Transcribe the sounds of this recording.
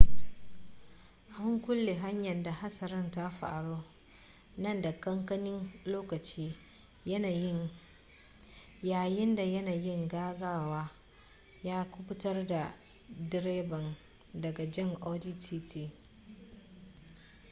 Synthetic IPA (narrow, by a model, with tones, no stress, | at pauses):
ʔa˨hʊ˦ŋkʷʊ˦lːeː˨ɦa˦ɲjɐ˨nda˨ha˦sɐ˨ɾɪ˦nta˦ɸa̰ː˨ɽoː˦ | nɐ˦nda˨kɐ˦ŋkɐ˦nɪ˦nloː˦kɐ˨t͡ʃiː˦ | jɐ˦naː˨jɪ˦ŋ | jaː˨jɪ˦nda˨jɐ˦naː˨jɪ˦ŋɡaː˦ɡaː˦waː˦ | jaː˦kʷʊ˦bʊ˦tɐ˦rda˨ | dɪ˦ɾeː˦bɐ˨n | dɐ˨ɡa˨d͡ʒɐ˦ŋʔoː˦diː˦tiː˦tiː˦